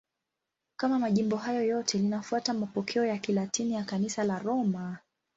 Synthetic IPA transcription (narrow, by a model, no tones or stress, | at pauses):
kamamaʄimbɔɦajɔjɔtʰɛlinafuatamapɔkʰɛɔjakilatʰinijakanisalaɾɔma